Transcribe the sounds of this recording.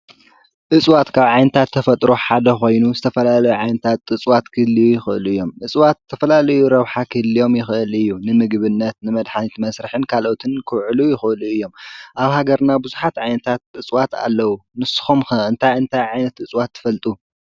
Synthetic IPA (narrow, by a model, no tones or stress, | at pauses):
ʔɨt͡sʼwat̪kʰaβʕajnɐt̪ʰat̪ʰːɐfɐt̪ʼɾoħad̪ɐxo̞jnuzɨt̪ʰɐfɐlalɐjuʕajnɐt̪ʰat̪ɨt͡sʼwat̪kʰɨlijujɪxɨʔɨluɨjːo̞mʔɨt͡sʼwat̪̚ʰːɐfɐlalɐjuɾɐβħakʰɨlːijo̞mjɪxɨʔɨlɨjːunɨmɨɡβɨnːɐt̪nɨmɐd̪ħanit̪mɐsɾɨħɨnkʰalʔo̞t̪ʰɨnkʰɨwʕɨlujɪxɨʔɨluɨjːo̞mʔaβhaɡɐɾnabɨzuħat̪ʕajnɐt̪ʰat̪̚ɨt͡sʼwat̪ʰa̰lːɐwunɨsɨ̥xumxɨɨnt̪ʰajɨnt̪ʰajʕajnɐt̪ɨt͡sʼwat̪ʰːɨ̥fɐlt̪ʼu